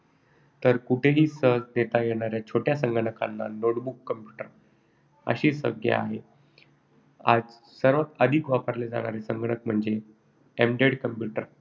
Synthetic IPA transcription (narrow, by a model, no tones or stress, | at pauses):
t̪əɾkuʈʰeɦiːsəɦd͡zd̪et̪ajeɽ̃aɾjat͡ɕʰoʈjasəŋɡəɽəka̰nːa̰noʈbukːəmpjuʈəɾ | ə̰ɕiːsə̰ɡʱjḛa̰ɦe | a̰d͡z | səɾʋat̪əd̪ʱikʋapəɾled͡za̰ɽ̃aɾesəŋɡɳək̚m̤əɳd͡ze | emɖeɽkəmpjuʈəɾ